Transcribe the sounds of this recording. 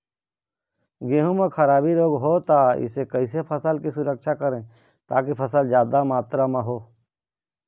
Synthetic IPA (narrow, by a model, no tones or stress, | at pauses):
ɡeːɦũmẽxʰəɾaːbiɾoːɡɦot̪aɪ̰sekɐɪsepʰəsəlkisʊɾəkʃakəɾẽː | t̪aːkipʰɐsəld͡ʒjaːd̪amaːt̪ɾamãɦoː